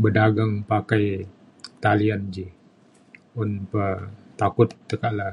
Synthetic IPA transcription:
bədaɡaŋpakaj | t̪aliand͡ʒi | unpət̪akʊt̪̚ːəkaʔla

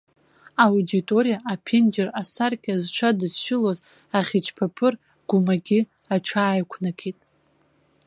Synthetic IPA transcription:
awuditʼo̞ɾijaʔapʰend͡ʒerasarkʲʼazʈ͡ʂʷʰadɨzʃɪloz | aχʲit͡ʃʰpʰapʰɨr | ɡ̥ʷʊmaɡʲɪ | aʈ͡ʂʷʰaːjkʷʰnakʲʰitʼ

